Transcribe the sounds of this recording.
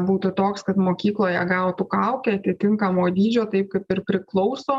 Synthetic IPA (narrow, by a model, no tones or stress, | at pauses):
buːt̪ʊt̪oːkskɐt̪moːkʲiːklˠoːjɛɡɑʋt̪ukɐʊkʲɛɐt̪ʲɪt̪ʲɪŋkɐmoːd̪ʲiːd͡ʒʲoːt̪ɐɪp̚kɐɪpɪrpʲɾʲɪklˠɔʊsoː